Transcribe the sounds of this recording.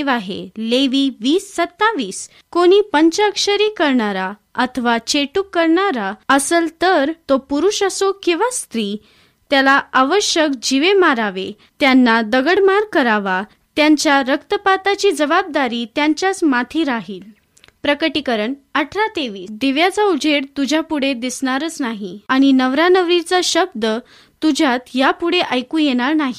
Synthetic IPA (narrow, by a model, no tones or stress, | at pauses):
ʋaɦḛleʋiːʋiːsːət̪ːaʋiːs | koɽ̃iːpəɲt͡ɕakʂəɾiːkəɾɳaɾaət̪ʰəʋat͡ɕeʈukːəɾɳaɾaəsəlt̪əɾt̪opuɾuʂəsokĩʋast̪ɾiː | t̪jalaaʋəɕjəkd͡ʑiʋemaɾaʋe | t̪janːad̪əɡəɽmaɾkəɾaʋa | t̪jaɲt͡ɕjaɾəkt̪əpat̪at͡ɕiːd͡zəbab̚d̪aɾiːt̪jaɲt͡ɕjat͡smat̪ʰiːɾaɦiːl | pɾəkəʈikəɾəɳəʈʰɾat̪eʋiːsd̪eʋjat͡saud͡ʑʱeɽt̪ud͡ʑʱapuɽ̤ed̪isɳ̃aɾət͡snaɦiaɽ̃inəʋɾanəʋɾit͡saɕəb̚d̪ə | t̪ud͡ʑʱat̪japuɽeʔajkũːjeɽ̃aɾnaɦi